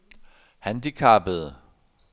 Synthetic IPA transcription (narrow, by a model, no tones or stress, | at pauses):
hænd̥ikʰɑ̈b̥əðˠ